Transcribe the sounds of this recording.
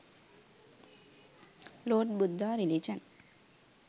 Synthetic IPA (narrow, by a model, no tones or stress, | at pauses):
loːʈ̚bud̪ʱːaːɾilid͡ʒɐn